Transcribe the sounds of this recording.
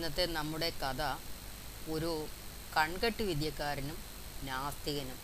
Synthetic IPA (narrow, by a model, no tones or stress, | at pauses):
nːɐt̪ːenɐmːuɽe̞kɐd̪ɐ | o̞ɾu | kɐɳɡɐʈːuʋid̪jɐkːaːɾɐnum | naːst̪iɣɐnum